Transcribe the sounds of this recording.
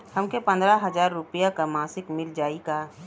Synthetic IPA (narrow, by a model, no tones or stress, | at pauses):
həmkepə̃nd̪ɾaɦəzaːɾːʊpijakamaːsɪkmɪld͡ʒaːikaː